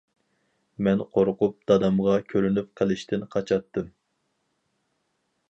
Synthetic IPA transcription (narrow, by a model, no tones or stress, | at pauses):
mɛnqʰoɾqʊp̚d̪̥ɑd̪ɑmʁɑkʲʰøɾynyp̚qʰəlˠɪʃt̪ɪnqʰɑt͡ʃʰɑt̪ʰːɨm